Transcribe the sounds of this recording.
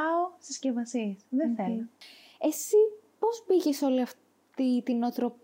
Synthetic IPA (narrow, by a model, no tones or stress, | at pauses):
ɐosiscevɐsiesðeθelo | e̞sipo̞zbiʝe̞so̞liɐf | t̪it̪inot̪ɾo̞p